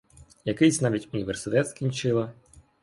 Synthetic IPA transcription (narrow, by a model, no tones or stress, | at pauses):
jɐkɪjsʲnɑʋʲitʲʊnʲiʋersɪt̪ɛt̪skʲinʲt͡ʃɪlˠɐ